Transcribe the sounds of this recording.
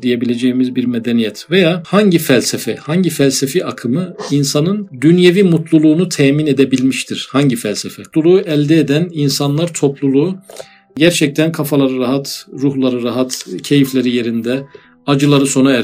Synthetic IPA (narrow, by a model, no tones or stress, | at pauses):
d̪ije̞bilʲe̞d͡ʒejimizbiɾmed̪enijɛt̪ʰvejaːhaɲɟifælʲsɛfɛhaɲɟifælʲsefiʔakʰɯmɯinsanɯnd̪ynjevimut̪ʰlˠulˠuːnut̪ʰɛːmine̞d̪e̞bilʲmiʃt̪ʰiɾ̥haɲɟifælʲsɛfɛulˠuʔɛlʲd̪ɛːd̪æninsanlˠaɾt̪ʰo̞plˠulˠu | ɟæɾt͡ʃʰɛc̚t̪ʰænkʰafalˠaɾɯɾaɦat̪ɾuhlˠaɾɯɾaɦat̪cʰe̞jiflʲeɾije̞ɾind̪ɛ | ad͡ʒɯlˠaɾɯso̞nuɛ